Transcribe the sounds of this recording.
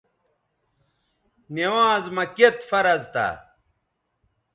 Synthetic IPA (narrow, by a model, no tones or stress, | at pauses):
newãːzmɐket̪fɐɾɐzt̪a̰